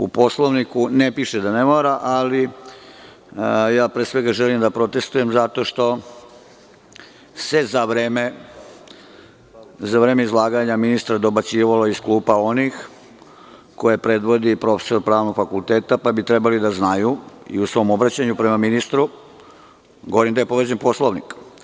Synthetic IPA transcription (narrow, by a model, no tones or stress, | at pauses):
ṵpo̞slˠoʋnikunepiʃed̪anemoɾaʔali | jaːpɾeːsʋe̞ɡaʒelimd̪apɾo̞t̪e̞st̪uje̞mzat̪o̞ʂt̪o̞ | sezaʋɾeːme | zaʋɾeːmeizlˠaːɡaɲaminist̪ɾad̪o̞bat͡siːʋaloiskluːpao̞nix | ko̞jepɾe̞d̪ʋo̞d̪ipɾo̞fe̥so̞ɾpɾaːʋno̞ɡfakult̪eːt̪apabit̪ɾe̞balid̪aznajuḭusʋo̞mo̞bɾat͡ɕaɲupɾe̞maminist̪ɾu | ɡoʋoɾimd̪ajepo̞ʋed͡ʑenpo̞slˠoʋnik